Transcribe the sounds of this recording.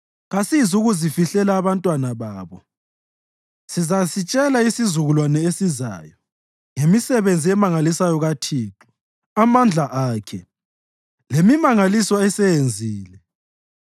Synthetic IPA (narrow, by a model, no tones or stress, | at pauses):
ɣasizuɣuzifiɬɛlaːβantʼwanaβaːβɔ | sizasit͡ʃʼɛlaisizuɣulwanɛesiza̰ːjɔ | ŋemisɛβend͡zʱiɛmaŋalisajɔɣatʰiːǁu̥ | amand͡ɮʱaʔaːkʰɛ | lemimaŋalisɔɛsɛjend͡zʱiːlɛ